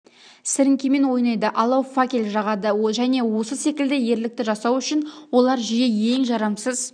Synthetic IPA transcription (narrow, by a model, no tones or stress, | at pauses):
sɪɾɪŋkʲeme̞nwo̞jnɑjd̪əʔɑlˠɑwfakʲelʲʒɑʁɑd̪əʒæne̞wo̞səse̞kʲɪld̪ɪje̞ɾlɪk̚t̪ɪʒɑsɑwʏʃɪnwo̞lˠɑɾʒijeje̞ŋʒɑɾɑmsəz